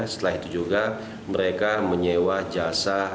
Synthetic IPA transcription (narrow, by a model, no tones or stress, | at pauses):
sə̥t̪əlaɦit̪ud͡ʒuɡa | məɾekaməɲewad͡ʒasa